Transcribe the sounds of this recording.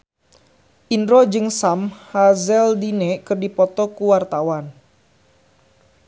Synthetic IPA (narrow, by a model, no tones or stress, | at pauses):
ʔindɾɔd͡ʒɨŋsamhazɛldinɛkɨrdipɔt̪ɔkuwart̪awan